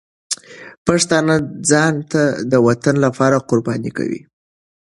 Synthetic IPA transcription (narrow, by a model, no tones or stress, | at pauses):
paʂt̪ɑnad͡zɑnt̪ad̪əwat̪anlapɑɾaqʊɾbɑnika̰wḭ